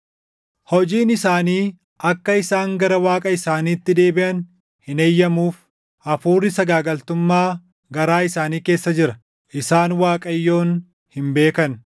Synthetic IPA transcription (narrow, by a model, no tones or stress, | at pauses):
hɔd͡ʒiːnɪsaːniː | ʔɐkːɐɪsaːŋɡɐɾɐwaːkʼɐɪsaːniːt̪ːɪd̪e̞ːbɪʔɐn | hɪnejːɐmuːf | ʔɐfuːrːɪsɐɡaːɡɐlt̪ʊmːaː | ɡɐɾaːɪsaːniːke̞ːsːɐd͡ʒɪɾɐ | ʔɪsaːnwaːkʼɐjːo̞ːn | hɪmbe̞ːkɐn